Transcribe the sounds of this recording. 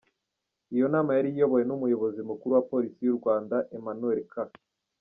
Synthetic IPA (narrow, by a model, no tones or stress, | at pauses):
ijo̞naːmajaɾijo̞βo̞jenumujo̞βo̞zimukuɾuwapo̞ːɾisijuɾɡwaːndaʔemanue̞lka